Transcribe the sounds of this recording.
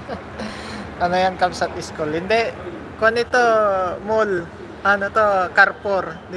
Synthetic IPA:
ʔɐnojɐnkɐmsɐt̪̚ɪskolhɪnd̪ɛ | konɪt̪omol | ʔanot̪okaɾpoɾd̪

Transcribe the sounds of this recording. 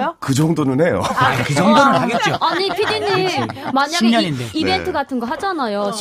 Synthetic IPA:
jokɯd͡ʑʌŋdonɯnɦe̞jo̰kɯd͡ʑʌŋdonɯaɡet̚t͡ɕoaɲipʰidiɲːimmaɲaiɡeɲʌɲideibe̞ntʰɯɡatʰɯnɡʌɦad͡ʑanajo

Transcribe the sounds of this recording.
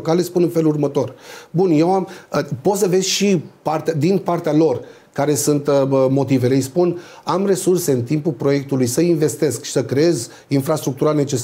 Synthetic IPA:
kale̞spunɨnfe̞lurmət̪o̞rbunje̞waməpo̞t̪səve̞zʲʃipart̪ead̪inpart̪ealo̞r | kaɾe̞sunt̪mo̞t̪ive̞lejspun | amre̞surse̞ɨnt̪impulpɾo̞je̞k̚t̪ulujsəinve̞st̪e̞skʃi̥səkɾee̞z | infɾast̪ɾuk̚t̪uɾane̞t͡ʃe̞s

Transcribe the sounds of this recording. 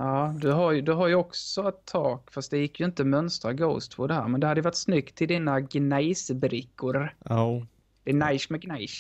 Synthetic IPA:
jɑːd̪ɵɦaɾjd̪ɵɦaɾjɵɔksɔɛt̪ʰːɑːɡfast̪̚d̪ɛjɪkːjɵɪnt̪əmœnst̪ɾaɡoʊst̪pʰɔd̪ɛhæ̰ːɾmɛnd̪ɛhad̪əjʏvaʈːsnʏɡt̪ʰːɪld̪iːnaɡnajsbɾɪkːʊɾ | d̪̥ɛɛnajʂmɛɡnaɪs

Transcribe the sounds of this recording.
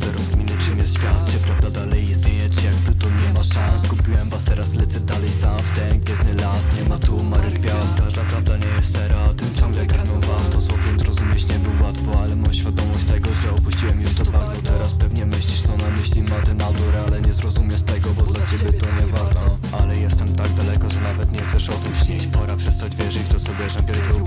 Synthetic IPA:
sɛɾɔzɡmʲinɨt͡ʂɘmʲjɛsɕfʲjat̪̚t͡ɕɛpɾavd̪ad̪alɛjist̪ɲejɛt͡ɕjaɡ̚bɨt̪ɔɲɛmasaskupʲiwɛmvast̪ɛɾaslɛt̪sɛd̪alɛjsamft̪ɛŋɡvʲjɛznɘlasɲɛmat̪umaɾɨɡvʲjaskaʒd̪apɾavd̪aɲɛjɛst̪t̪ɛɾɔat̪ɪmt͡ɕɔ̃ŋɡlɛkanɔwvat̪ɔt̪sɔvʲjɛnzɾɔzumʲjɛt͡ɕɲɛbɨwwat̪fɔalɛmɔj̃ɕfʲjad̪ɔmɔɕt͡ɕt̪ɛɡɔʐɛɔpuɕt͡ɕiwɛmjuʐt̪ɔd̪vaɾbɔt̪ɛɾaspɛvɲɛmɘɕlʲiʂt̪sɔnamɘɕlʲinat̪ɪnad̪uɾalɛɲɛzɾɔzumʲjɛst̪ɛɡɔbɔd̪lat͡ɕɛbʲjɛt̪ɔɲɛvaɾt̪ɔ | alɛjɛst̪ɛmt̪aɡ̚d̪alɛkɔʐɛnavɛt̪ɲɛxt̪sɛʂɔt̪ɪmɕlɛt͡ɕpɔɾapʂɛst̪ad͡ʑvʲjɛʐɘt͡ɕft̪ɔt̪sɔvʲjɛʐɛvʲjɛk̪ɔ

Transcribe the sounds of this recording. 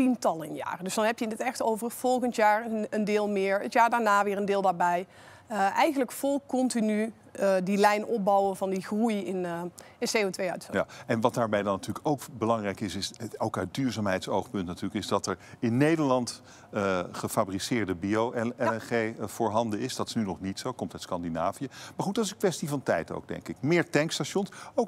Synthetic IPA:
tintɑlˠɪnja̰ːrdɵsdɑnɦɛpjənətɛxtowvərfɔlˠɣəntjaːɹəəndɪːlˠmɪːɹətjaːɹdaːɹnaːʋɪːɹəndɪːlˠdaːɹbɛj | əɛjɣənləkfɔlˠkɔntiny | dilɛjnɔp̚bɑwənvɑndiχrujɪnɪnsejotʋejœ̰ɥtfəɛnʋɑt̚daːɹbɛjdɑnatyːləkowkbəlɑŋrɛjkɪsɪsɛlˠkaːdyːɹzaːmɦɛjtsowχpɵntnatyːɹləkɪzdɑtɛɹɪnːejdəɹlɑnt | əχəfaːbrisɪːɹdəbiowɛɛnχejv̥ʊːɹɦɑndəɪsdɑtɪ̥snynɔχnitsowkɔmtœɥtskɑndinaːvijəmaːɹχutd̥ɑtɪs̬ənkʋɛstivɑntɛ̰jto̰wɡ̚dɛ̰ŋkɪk̚mɪːɹtɛŋkstaʃɔnsowk

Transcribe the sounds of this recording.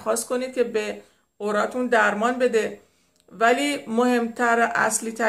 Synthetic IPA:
xɒːst̪̚kʰo̞niːd̪̚kʲʰe̞be | oɾɒːt̪ʰund̪æɾmɒːnbe̞d̪e̞ | væliːmohe̞mt̪ʰæɾʔæ̰sliːt̪ʰæ

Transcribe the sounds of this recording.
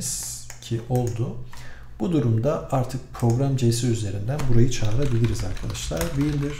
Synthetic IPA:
z̥cʰiʔo̞lˠd̪ʊ | b̥ud̪uɾumd̪aaɾt̪ʰɯk̚pʰɾo̞ɡɾamd͡ʒe̞siyze̞ɾind̪ænbuɾajɯt͡ʃʰaːɾɾabilʲiɾizaɾkʰad̪aʃlˠa̰ɾbiilʲd̪iɾ̥

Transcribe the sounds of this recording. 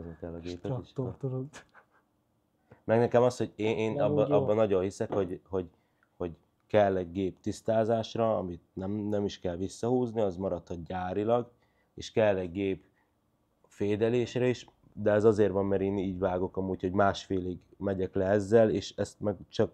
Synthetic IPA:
znikɛlːɒɡeːpɛiʃ | mɛɡnɛkɛmɒsho̞ɟeːeːnɒbbɒbbːɒnɒɟo̞nhisɛkho̞ɟho̞ɟ | ho̞ɟ | kɛlːɛɡɡeːpt̪ist̪aːzaːʃrɒɒmit̪̚nɛmnɛmiʃkɛlʋisːɒhuːzniɒzmɒɾɒt̪hɒt̪̚ɟaːɾilɒɡ | ḛːʃkɛlːɛɟɡeːp | feːd̪ɛleːʃrɛiʃ | d̪ɛɛzɒzeːrvɒmːɛɾeːniːɟvaːɡo̞kɒmuːcho̞ɟmaːʃfeːliɡmɛɟɛklɛɛzːɛleːʃɛst̪mɛɡt͡ʃɒk̚

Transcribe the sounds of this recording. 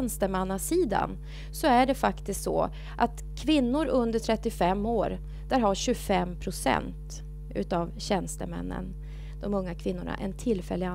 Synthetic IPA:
nst̪əmanːasiːd̪a̰n | sɔæɖɛfakt̪ɪskt̪sɔ̰ | ʔat̪ | kʰvɪnːʊɾɵnd̪əʈʰɾɛt̪ːɪfɛmːoːɾ | d̪̥æɾɦaɕɵfɛmpʰɾʊsɛ̰nt̪ | ʉ̟̰ːt̪avɕɛnst̪əmɛ̰nːə̰n | d̪̥ɔmɵŋːakʰvɪnːʊɳa̰ʔɛnt̪ʰɪlfɛ̰lːɪɡa

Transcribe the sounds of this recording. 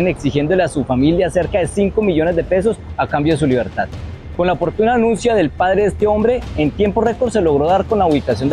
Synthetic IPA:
neksixjend̪o̞le̞asufamiljase̞ɾkaðe̞siŋko̞miʝo̞ne̞zd̪e̞pe̞s̬o̞sakambjoðe̞s̬uliβ̞e̞ɾt̪að | ko̞nlaopo̞ɾt̪unaanũnsjaðe̞lpað̞ɾe̞est̪e̞o̞mbɾe̞ːnt̪je̞mpo̞re̞ko̞ɾd̪s̬e̞lo̞ɣ̞ɾo̞ðaɾko̞nlauβikasjo̞nd̪

